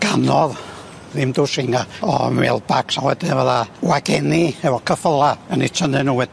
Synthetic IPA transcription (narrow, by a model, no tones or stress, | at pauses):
ɡ̥anɔð | ðɪmdusɪŋaɔ̰mɛ̰lˠbaksawɛdɪvəðawaɡɛniɛvɔkʰəfəlˠaənitʰənɛnuːwɛd